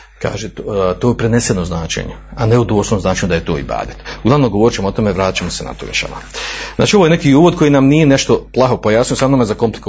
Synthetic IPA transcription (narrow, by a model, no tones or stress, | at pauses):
ka̰ːʒet̪oːpɾene̞senoznaːt͡ʃḛɲeaneud̪osonoznaːt͡ʃeɲud̪aje̞t̪oːḭba̰ːd̪it̪uɡlˠaʋnomɡo̞ʋo̞ɾit͡ʃemoot̪o̞meʋɾaːt̪i̥t͡ʃamosena̰t̪o̰ːḭʃa̰ma̰zna̰ːt͡ʃioojene̞kiuːʋo̞d̪̚kʰo̞jinamnije̞ne̞ʃt̪oplˠaɦopojaːsnijosamnomezako̞mplik